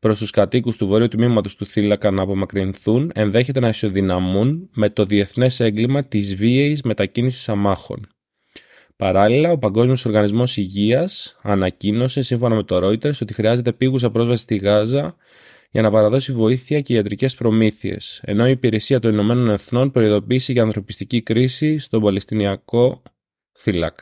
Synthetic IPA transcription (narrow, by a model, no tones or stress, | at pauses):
pɾo̞st̪uskɐt̪ikust̪uvo̞ɾiut̪mimɐt̪o̞st̪uθilɐkɐnɐːpo̞mɐkɾinθune̞nðe̞çe̞t̪e̞nɐso̞ðinɐmunme̞t̪o̞ðie̞θne̞se̞ŋɡlimɐt̪izvieizme̞t̪ɐcinisi̥sɐmɐxo̞̰n | pɐɾɐlilɐo̞pɐŋɡo̞zmio̞so̞ɾɣɐnizmo̞siʝiɐsɐnɐcino̞se̞siɱfo̞nɐme̞t̪o̞ɾo̞it̪e̞ɾso̞t̪ixɾiɐze̞t̪e̞piɣus̬ɐpɾo̞zvɐsi̥st̪iɣɐzɐ | ʝɐnɐpɐɾɐðo̞sivo̞iθiɐce̞iɐt̪ɾice̞spɾo̞miθie̞̰se̞̰no̞iːpiɾe̞siɐt̪o̞nino̞me̞no̞ne̞θno̞npɾo̞iðo̞piːseʝeɐnθɾo̞pi̥st̪icikɾisist̪o̞bɐle̞st̪iniɐko̞ | θilɐ̰k